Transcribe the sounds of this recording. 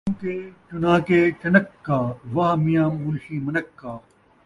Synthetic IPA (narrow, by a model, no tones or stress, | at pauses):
mkeːt͡ʃunaːkeːt͡ɕɐnɐkːaːʋɐɦmijãːmʊlɕiːmɐnɐkːaː